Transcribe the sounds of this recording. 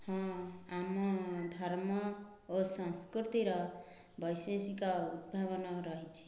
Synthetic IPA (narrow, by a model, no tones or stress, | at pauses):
hʌ̃amʌd̪ʱʌɾmʌ | osʌ̃skrit̪iɾʌ | bʱʌjsesikaut̪̚bʱaβʌnaɾʌɦit͡ʃʰi̥